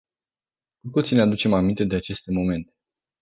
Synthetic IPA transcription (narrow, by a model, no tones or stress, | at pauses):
kut̪ut̪sinead̪ut͡ʃe̞mamint̪e̞d̪e̞at͡ʃe̞st̪e̞mo̞me̞nt̪e̞̥